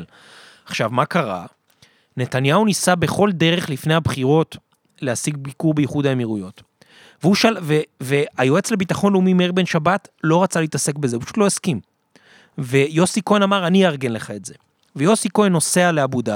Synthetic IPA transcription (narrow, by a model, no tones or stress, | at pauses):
l | aχʃavmakaʁa̰ | ne̞tanjaunisabe̞χo̞lde̞ʁe̞χlifne̞jhabχiʁo̞t | le̞hasiɡ̚bikuʁbejiχudaemiʁujo̞t | veuʃalveveajoe̞t͡sle̞bitaχo̞nleumimeʁbenʃabatlo̞ʁat͡saleitase̞kbe̞zeupaʃu̥t̪loeskim | ve̞jo̞siko̞enamaʁaniaʁɡe̞nleχaetze̞ | vejo̞siko̞eno̞se̞aleabuda